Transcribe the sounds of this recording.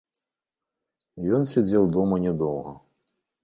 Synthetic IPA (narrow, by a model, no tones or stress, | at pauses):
jɔnsʲɛd͡zʲɛwd̪ɔmɐnʲɛd̪ɔwɣɐ